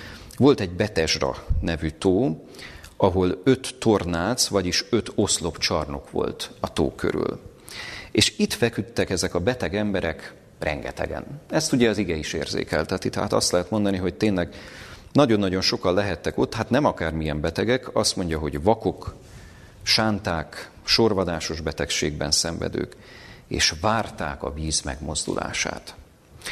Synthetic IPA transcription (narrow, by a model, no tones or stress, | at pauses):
ʋo̞lt̪ɛɟbɛt̪ɛʒrɒ̰nɛvyːt̪oː | ɒɦo̞løt̪ːo̞rnaːt̪sʋɒɟiʃø̞t̪o̞slo̞pt͡ʃɒrno̞kʋo̞̰lt̪ɒt̪o̰ːkʰø̰ɾy̰l | eːʃit̪fɛkyt̪ːɛkɛzɛkɒbɛt̪ɛɡɛmbɛɾɛk | rʔɛ̰ŋɡɛ̰t̪ɛ̰ɡɛ̰nɛst̪uɟɛɒziɡɛiʃḛːrzḛːkɛ̰lt̪ɛt̪it̪ɛɦaːt̪ɒ̰st̪lɛɦɛt̪mo̞nd̪ɒniɦo̞c̚t̪eːnlɛɡnɒɟo̞nːɒɟo̞nʃo̞kɒnlɛɦɛt̪ːɛko̞t̪ːhat̪nɛmɒkaːrmijɛmbɛt̪ɛɡɛkɒst̪mo̞ɲɟɒɦo̞ɟvɒko̞k | ʃaːnt̪aːk | ʃo̞rvɒd̪aːʃo̞ʒbɛt̪ɛkʃeːɡbɛnsɛɱvɛ̰d̪ø̰ːkḛːʃvaːrt̪a̰ːkɒ̰viːzmɛ̰ɡmo̞zd̪ṵlʔa̰ːʃa̰ːt̪